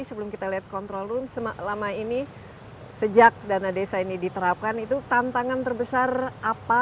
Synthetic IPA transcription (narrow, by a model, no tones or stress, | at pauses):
isəbəlʊmkit̪aliat̪̚kɔnt̪ɾolʊnsəmalamaini | səd͡ʒak̚danadesainidit̪əɾap̚kanit̪ut̪ant̪aŋant̪ərbəsarapa